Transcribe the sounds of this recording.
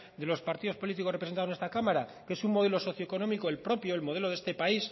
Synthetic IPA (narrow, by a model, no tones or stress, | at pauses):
d̪elo̞spaɾt̪iðo̞spo̞lit̪̬iko̞repɾent̪aðonest̪akamaɾakee̞suŋmo̞ðe̞lo̞so̞θjoeko̞nomikoelpɾo̞pjo̞elmo̞ð̞e̞lo̞ð̞e̞st̪e̞pais